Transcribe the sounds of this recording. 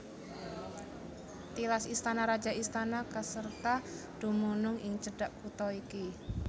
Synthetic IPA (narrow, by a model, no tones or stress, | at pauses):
t̪ilasist̪anaɾḁd͡ʒa̤ist̪anakəsərt̪a | d̪̥ṳmunʊŋɪŋt͡ʃəɖ̥aʔkut̪ɔiki